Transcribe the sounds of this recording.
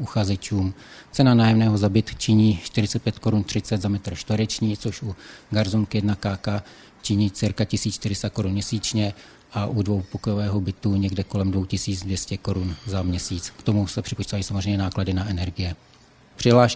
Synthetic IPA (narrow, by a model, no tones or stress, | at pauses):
ʔuxazɛt͡ʃuːmt͡sɛnanaːjɛmnɛːɦo̞zabɪt̪t͡ʃɪɲiːʃt̪ɪɾɪt͡sɛt̪̚pjɛt̪ko̞ɾunt̪r̝̥ɪt͡sɛd̪zamɛt̪r̩ʃt̪vəɾɛt͡ʃɲiːt͡soʃuɡaɾzuŋkjɛdnakaːka | t͡ʃɪɲiːt͡sɪɾkacɪsiːt͡sʃt̪ɪɾɪst̪ako̞ɾunmɲɛsiːt͡ʃɲɛ | ʔaʔudvo̞wpokojovɛːɦo̞bɪt̪uɲɛɡdɛko̞lɛmdvo̞wcɪsiːd͡zdvjɛscɛko̞ɾunzamɲɛsiːt͡skt̪o̞musɛpr̥ɪpot͡ʃit̪ajisamozrɛjɲɛnaːkladɪnaɛnɛɾɡɪjɛ | pr̥ɪɦlaːʃ